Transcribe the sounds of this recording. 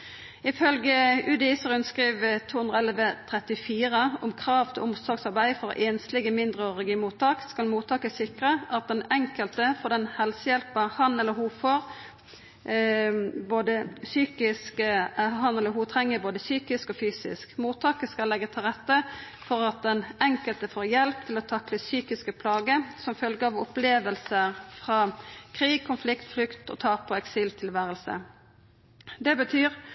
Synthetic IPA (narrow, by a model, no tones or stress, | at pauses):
ɪfœlɡəʉd̪ɪsəʁʉnskʁiːʋt̪ʰuːhʉnd̪ʁəɛlʋət̪ʰɾɛt̪ɪfiːɾəʊmkʰʁɑːʋt̪ʰɪlʔʊmsɔɾɡsɑɾbæɪfɔɾɔ̰ʔeːnst̪lɪɡəmɪnd̪ʁəɔʁɛɡɪmuːt̪ɑːkskɑlmuːt̪ʰɑːkəsɪkʁəʔɑt̪̚d̪ɛnɛŋkəlt̪əfɔd̪ɛnhɛlsəjɛlpəhɑnɛlːəɾɦuːfɔʁ | boːd̪əsyːkɪskɦɑnɛlːəɾɦuːt̪ʰʁɛŋːəboːd̪əsyːkɪskɔfyːsɪ̰skmuːt̪ʰːɑːkəskɑlːɛɡːət̪ʰɪlʁɛt̪ːə | fɔɾɑt̪̚d̪ɛnɛŋkəlt̪əfoːɾjɛlp̚t̪ʰɪlɔt̪ʰɑkləsyːkɪskəpʰlɑːɡəsɔmfœlɡəɑʋɔpleːʋəlsəʁfʁɑːkʰʁiːɡ̚kʰʊnflɪkt̪flʏkt̪ɔ̰t̪ʰɑːpʰɔɛksiːlt̪ʰɪlʋæːɾəlsə̰ | d̪ɛbət̪ʰyːʁ